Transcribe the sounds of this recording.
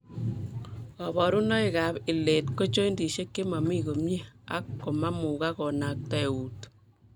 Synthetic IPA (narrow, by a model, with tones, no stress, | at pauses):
ɔ˨βɔ˨ɾu˦nɔ˦i˨ka˨bɪ˨le˨tko˦t͡ʃo˦i˦ndi˨ʃe˦kːe˦ma˨mi˦ko˨mɲi˦a̰˦kːo˨ma˦mu˨ka˦kɔ˨na˨k̚ta˨u˨t